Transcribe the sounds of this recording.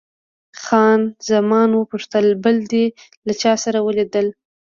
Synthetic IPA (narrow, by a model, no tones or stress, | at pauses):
xɑnzamɑnwəpʊʂt̪əlbəld̪e | lat͡ʃɑsaɾawəlid̪əl